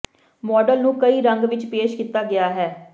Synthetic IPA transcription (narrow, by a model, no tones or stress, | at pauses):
mɔːɖəlnũːkəiːɾəŋɡʋɪt͡ʃpeːʃkiːt̪aːɡɪaːɦɛː